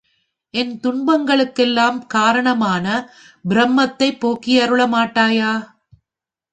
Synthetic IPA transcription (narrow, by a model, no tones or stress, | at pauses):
ʔɛnt̪ʊɳbɐŋɡɐɭɯkːɛlːaːmkaːɾɐɳɐmaːnɐ | bɪɾɐmːɐt̪ːɐɪpːoːkːɪjɐɾɯɭɐmaːʈːaːjaː